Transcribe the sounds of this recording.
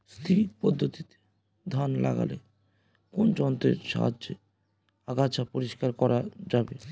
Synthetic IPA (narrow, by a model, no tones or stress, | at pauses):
st̪ʰipɔd̪ʱːot̪it̪e̥ | d̪ʱanla̰ɡa̰le | kond͡ʑɔnt̪ḛɾʃa̰ɦa̰dd͡ʑe | aɡat͡ɕʰapoɾiʃkaɾkɔɾad͡ʑabe